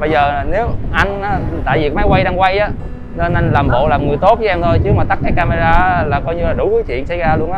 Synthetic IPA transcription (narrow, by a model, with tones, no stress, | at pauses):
ɓə˧jzəː˨˩ne˨˦wʔa˧jŋaː˨˦t̪a̰ː˧˨vi˨˩kma˨˦jkwa˧jɗaː˧ŋkwa˧jʔaː˨˦ | nə˧nʔa˧nlaː˨˩mɓo̰˧˨laː˨˩mŋɨ˨˩əjt̪o˦˥t̚vɨː˨˦ʔɛ˧mt̪ʰo˧jt͡ɕɨ˦˥k̚maː˨˩t̪a˦˥k̚kaː˨˦kaː˧ma˧zaː˧ʔlaː˨˩kɔ˧jɲɨ˧laː˨˩ɗʊ˨˧˦kəː˨˦t͡ɕwḭ˧˨ənsa˧˩˦jzaː˧lu˧ənʔaː˦